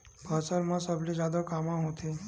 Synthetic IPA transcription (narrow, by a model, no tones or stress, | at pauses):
bʱəsəɾmãsəblid͡ʒad̪əkamãɦot̪ʰi